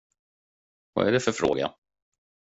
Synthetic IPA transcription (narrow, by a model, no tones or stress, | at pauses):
va̰æɖɛfœɾfɾo̰ːɡa̰